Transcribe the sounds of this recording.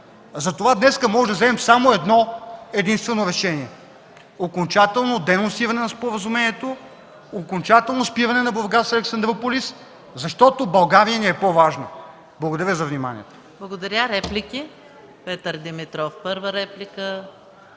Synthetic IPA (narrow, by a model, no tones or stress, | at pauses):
zɐt̪ovad̪nɛskəmɔʒɛd̪ɐzɛmɛmsamoɛd̪nɔɛd̪inst̪vɛnoɾɛʃɛniɛ | okont͡ʃat̪ɛlˠnod̪ɛnonsivɐnɛnɐspoɾəzʊmɛniɛt̪o | okont͡ʃat̪ɛlˠnospivɐnɛnɐbɐɾɡasɐlɛksɐnd̪ɾopolis | zɐʃt̪ɔt̪obɐlˠɡaɾijəniɛpovaʒnə | blˠɐɡod̪ɐɾʲjəzɐvnima̰nʲḭɛt̪o̥ | blˠɐɡod̪ɐɾʲaɾɛplʲikʲi | pɛt̪əɾd̪imit̪ɾɔfpɤɾvəɾɛplʲikə